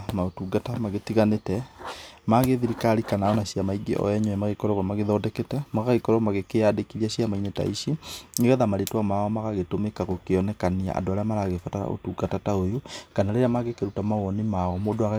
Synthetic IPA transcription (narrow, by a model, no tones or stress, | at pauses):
maotuɡatamaɣetiɣanetɛmaɣeðiɾikaɾikanaɔnaɕjamaiɡḛʔɔ̰ɛɲɔɛmaɣekɔɾɔɣamaɣeðɔːdɛkɛtɛmaɣaɣekɔɾɔmaɣekeadekiɾiaɕiamaineta̰iʃiŋeɣɛðamaɾetwamaɔmaɣaɣetomekaɣokeɔnɛkania̰ʔa̰ndoaɾeamaɾaɣefataɾa̰ʔo̰tuɡatataojokanaɾeɾeamaɣekeɾutamaɣwɔnimaɔmodoaɣa